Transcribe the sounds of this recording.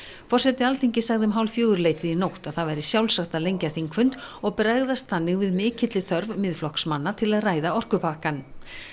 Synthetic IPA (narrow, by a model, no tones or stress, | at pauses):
fɔr̥sɛt̪ɪalt̪ʰiɲcɪsaɣðɪʏmɦawlfjœːɣʏɾleːjt̪vɪðinowht̪aðθavajɾɪsjawlsaxt̪alejɲcaθiŋkʰvʏnt̪ɔɣpɾaɣðast̪θanːɪɣvɪðmɪːcʰɪt̪lɪθœɾvmɪðflɔhksmanːat̪ʰɪlaðraːjðaɔr̥kʏpahkan